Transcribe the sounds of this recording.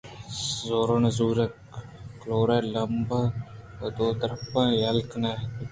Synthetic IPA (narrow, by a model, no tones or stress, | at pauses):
zoːɾoːnɐzuːɾek | kloːɾaːlɐmb | d̪oːd̪əɾɐpãːjɐlknaɦ